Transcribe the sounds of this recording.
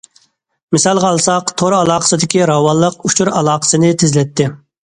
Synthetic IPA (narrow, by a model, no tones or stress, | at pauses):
mɪsɑlˠʁɑːlˠsɑqt̪ʰoɾɑlˠɑːqʰə̥sɨd̪ɪkʲiɾɑwɑlˠːəqut͡ʃʰuɾɑlˠɑːqə̥sɨnɪt̪ʰɪzlɛt̪ʰːɪ